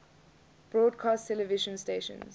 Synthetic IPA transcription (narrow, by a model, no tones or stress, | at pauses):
b̥ɹɔːdkʰaːstʰɛləviʃə̃nsteːʃə̰̃nz